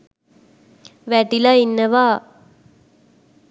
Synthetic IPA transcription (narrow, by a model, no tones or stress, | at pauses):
ʋæʈilainːəʋaː